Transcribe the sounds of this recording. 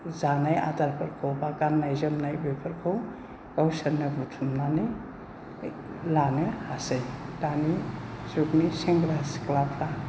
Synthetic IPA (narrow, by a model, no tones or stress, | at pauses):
zanaja̰daɾpʰɐɾkʰowbaɡanːajzəmnajbepʰəɾkʰɯw | ɡawsɐnːɯbutʰumnanɯj | lanɯhasajdanisukniseŋɡɾasi̥klapʰɾa